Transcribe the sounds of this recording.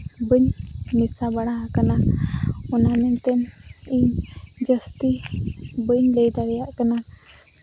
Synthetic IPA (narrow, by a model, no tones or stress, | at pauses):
bəɲnisabaɽakana | ɔnamɛnt̪ɛniɲ | d͡ʒəst̪i | bəɲləjd̪aɾɛjaʔkana